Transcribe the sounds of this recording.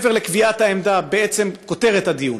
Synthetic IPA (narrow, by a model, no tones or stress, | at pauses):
veʁlekviat̪haemd̪abeet͡se̞mko̞t̪e̞ʁet̪had̪ijun